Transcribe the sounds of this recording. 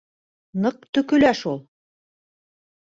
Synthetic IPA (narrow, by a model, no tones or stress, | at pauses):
nɤq̚t̪ɵ̆kɵ̆læʃulˠ